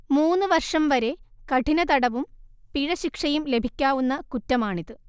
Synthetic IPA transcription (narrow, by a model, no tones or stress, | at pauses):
muːnːɨʋɐrʂɐmʋɐɾe̞kɐʈʰinɐt̪ɐɽɐʋumpiɻɐɕikʂɐjumle̞bʱikʲːaːʋunːɐkutːɐmaːɳiðɨ